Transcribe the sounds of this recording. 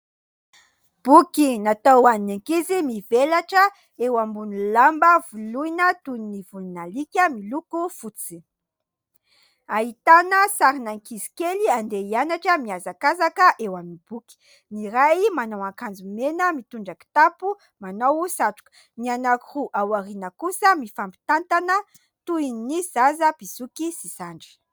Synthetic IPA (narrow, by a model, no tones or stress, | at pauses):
b̥ukinat̪awannaŋkizimivelaʈ͡ʂə | ewambunilambəvuluinət̪uninivuninalikʲəmilukufut͡si̥ | aɦit̪anəsaɾinaŋkizi̥keliand̪eianaʈ͡ʂəmiazakazakəʔewaminib̥uki̥ | niɾajmanowaŋkand͡zumenəmit̪uɳɖ͡ʐaki̥t̪apu | manowsaʈ͡ʂu̥k | nianakuhuʔawaɾinəkusəmifambi̥t̪ant̪anə | t̪uinnizazəb̥isukisisaɳɖ͡ʐi̥